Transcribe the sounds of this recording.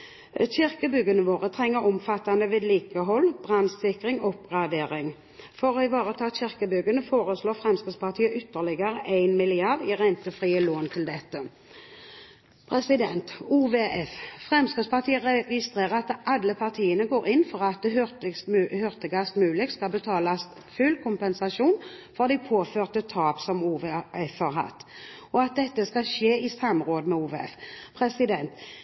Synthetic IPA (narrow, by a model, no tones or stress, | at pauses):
ɕɪʁkəbʏɡənəʋoːʁət̪ʰʁɛŋːəɾɔmfɑt̪ːand̪əʋeːd̪liːkəɦɔlːb̥ʁɑnsɪkʁɪŋɔpɡʁɑd̪eːʁɪŋ | fɔʁɔɪʋɑːʁət̪ʰɑːɕɪʁkəbʏɡənəfoːʁəsloːfʁɛmskəspɑʁt̪ʰiːəʔʏt̪ːəʁlɪɡəɾəʔæɪnmɪlɪɑʁd̪iʁænt̪əfʁiːəloːnt̪ʰɪld̪ɛt̪ːə | pʰʁɛsɪd̪ɛnt̪uːʋeʔɛffʁɛmskəspʰɑʁt̪ʰiːəʁɛɡɪst̪ʁeːʁəʁɑt̪ʔɑlːəpʰɑʁt̪ʰiːənəɡoːɾɪnːfɔʁɑt̪̚d̪t̪shʏʁt̪əɡɑst̪mʉːlɪkskɑlbət̪ʰɑːlɑs | fʉlkʰʊmpɛnsɑʃuːn | fɔʁd̪æɪpʰoːføːʁt̪ət̪ʰɑːpsɔmuːʋeɛfhɑʁɦɑ̰t̪ːɔɑt̪̚d̪ɛt̪ːəskɑʃeːɪsɑmːʁoːd̪əmɛuːʋɛ̰fpʰʁɛsɪd̪ɛnt̪